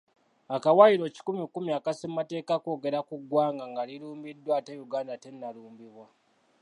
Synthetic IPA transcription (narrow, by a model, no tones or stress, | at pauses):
akawaiɾo̞ci̥kumikumiakasemumate̞ːkakoɡe̞ɾakuɡwaːŋɡaŋɡaliɾuːmbidwatejuɡaːndatennaluːmbiβwa